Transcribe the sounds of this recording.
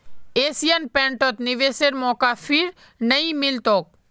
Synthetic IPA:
eːsijənpɛ̃ːɳʈɔt̪nɪʋeːseɾmɔːkafʰɪɾ | nɐĩmɪlt̪oːk̚

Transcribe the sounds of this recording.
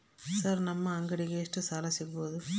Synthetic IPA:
sɐɾnɐmːɐːŋɡɐɽɪɣɐːʂʈrɯsaːlɐsɛjpoːðɯ

